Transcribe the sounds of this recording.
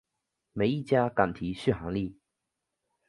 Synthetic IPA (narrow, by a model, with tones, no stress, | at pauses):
me˨˥ɪi˥˨t͡ɕja˥ka˨˩nt̪ʰi˨˦ɕy˥˩xa˧˥˦ŋli˥˨